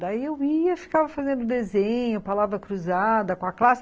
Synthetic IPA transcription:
d̪ɐiewiɐfi̥kavɐfazẽnd̪ʊd̪ezẽɲʊpalavɾɐkɾuzad̪ɐkõɐklasɪ

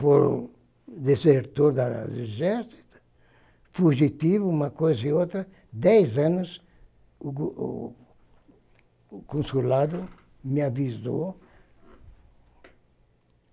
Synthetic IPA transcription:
poɾ | d̪eseɾt̪oɾd̪a̰d̪ezɛɾsi̥t̪ʊ̥ | fuʒit̪ivuumɐkojzɐiot̪ɾɐ | d̪ɛjzãnʊs | u | kõnsulad̪ʊ | meavizo̰

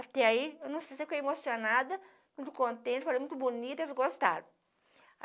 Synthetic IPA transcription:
at̪ɛaiewnɐ̃w̃sejsefojemosionad̪ɐ | mũt̪ʊ̥kõnt̪ẽt̪falejmũt̪ʊbonit̪esɡost̪a̰ɾʊ̃

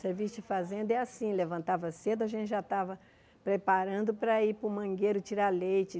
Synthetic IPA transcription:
seɾvist͡ʃɐfazẽnd̪ʊɛasĩlevɐ̃nt̪avɐsed̪ʊɐʒẽnt͡ʃɪʒat̪avɐ | pɾepaɾɐ̃nd̪ʊpɾɐipɾʊmɐ̃ɡeɾʊt͡ʃiɾalejt͡ʃɪ

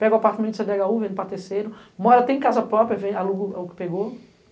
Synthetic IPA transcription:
pɛɡoapaɾt̪amẽt̪ʊsẽd̪ɛɡauvẽnd̪ʊpat̪eɾsejɾʊmɔɾɐt̪ẽj̃kazɐpɾɔpɾiɐvẽj̃aluɡʊʊkɪ̥peɡo

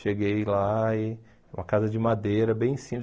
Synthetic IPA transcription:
ʃeɡejlai | ũmɐkazɐd͡ʒɪmad̪eɾɐbẽj̃sĩm

